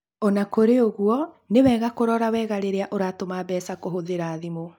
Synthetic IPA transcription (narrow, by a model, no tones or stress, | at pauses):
ɔnakoɾeoɣuɔ | newɛːɣakoɾɔɾawɛːɣaɾeɾeaʔoɾatomaːbɛːsakoɦoðeɾaːðimo